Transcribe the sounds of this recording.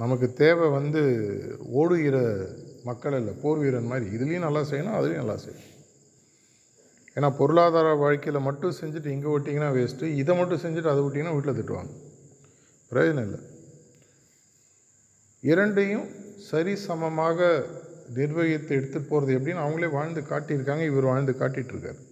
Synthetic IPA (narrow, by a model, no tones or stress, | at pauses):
nɐmɐk̬ːɯt̪eːʋɛʋɐnd̪ɯoːɽɯjɪɾɐmɐkːɐɭɪlːɐpoːɾʋɪjɪɾɐnmaːd̪ɾiɪðɪlɐjʊ̃nɐlːaːsɛjːɐnaːɐðɪlɐj̃nɐlːa̰ːsɛ̰jɐ | eːnːaːpɔɾɯɭaːðaːɾaʋaːɻkɐjɪlɐmɐʈːʊ̃sɛɲd͡ʒɯʈːɯɛŋɡeʋɪʈːĩŋɡɐnaːʋeːsʈːɯɪðɐmɐʈːʊ̃sɛɲd͡ʒɯʈːɯɐðɐʋɪʈːiŋɡɐnaːʋiːʈɪlɐt̪̬ːɪʈːɯʋa̰ːŋɡɐ | pɪɾɐd͡ʒɐnɐ̃ɪlːɐ̰ | ɪɾɐɳɖɐjʊ̃sɐɾisɐmɐmaːɣɐnɪɾʋɐjɐt̪ːɐɛɽɯt̪ːɯʈpːoːɾɐðɯɛp̬ːɐɽɪnːaːɐʋɐŋɡɐɭeːʋaːɻnd̪ɯkaːʈːɪɾɯkːaːŋɡɐɪʋɐɾɯʋaːɻnd̪ɯkaːʈːɪʈːɾɯkːa̰ːɾ